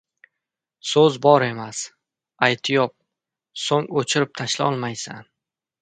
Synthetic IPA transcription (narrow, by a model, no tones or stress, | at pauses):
sɵzbɒɾe̞mas | ajt̪ʰɪjɒp̚ | soŋot͡ʃʰɪɾɪp̚t̪ʰaʃlaɒlˠmajsan